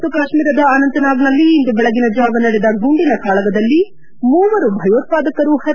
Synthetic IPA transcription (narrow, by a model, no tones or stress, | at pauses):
t̪ukaːʃmiːɾɐd̪ɐaːnɐnt̪ɐnaːɡnɐlːiːnd̪ubɛɭɐɡinɐd͡ʒaːʋɐnɐɽed̪ɐɡʱuɳɖinɐkʰaːɭɐɡɐd̪ɐlːi | muːʋɐɾubʱɐjoːt̪̚paːd̪ɐkːɐɾuhɐ